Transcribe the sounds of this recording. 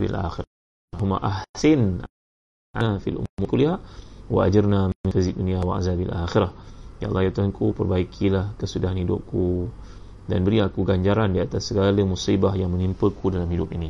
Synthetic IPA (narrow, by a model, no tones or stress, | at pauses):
bḭlʔa̰xiɾ | ɦuma̰ʔahsɪn | ʔaafḭlʔṵmukuliɦaʔwa̰ʔa̰d͡ʒərnamixizit̚uniawa̰ʔa̰zabialʔaxiɾahja̰ʔlahjat̪ankupərbaikʰilahkəsudaɦanhidʊ̰p̚ku | danbəɾiakuɡaɲd͡ʒaɾandiat̪asːəɡaləmusibahjaŋmə̃nimpəkudalamhidʊpini